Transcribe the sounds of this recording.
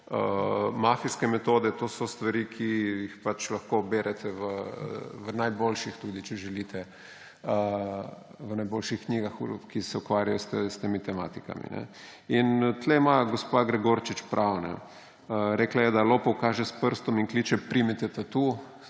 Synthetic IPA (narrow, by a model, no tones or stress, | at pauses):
əmafiskɛmɛt̪oːd̪ɛt̪oːsɔst̪ʋaɾikʰijixpat͡ʃlɐxkobeːɾʔɛt̪ʰɛʋəʋənajbolʃixt̪uːd̪it͡ʃɛʒɛlit̪ʰɛ | ə | ʋənajboːlʃixkniɡaxkisɛukʋaːɾjajost̪st̪emit̪ɛma̰ːt̪ika̰mḭnɛ̰ | int̪lɛimaɡospaɡɾɛɡoːɾt͡ʃit͡ʃpɾʔawnɛ̰ | əɾɛːklajɛd̪alopɔkaːʒɛspəɾst̪ɔmiŋklit͡ʃɛpɾimit̪ɛt̪at̪u